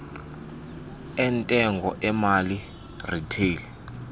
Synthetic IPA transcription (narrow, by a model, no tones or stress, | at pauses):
ɛntʼɛŋɡʱɔʔɛmali | ritʰeːl